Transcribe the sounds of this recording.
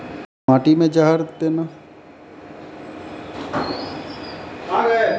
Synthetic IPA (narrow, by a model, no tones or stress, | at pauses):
mãːʈimẽd͡ʒaɦəɾd̪eːna | aɡ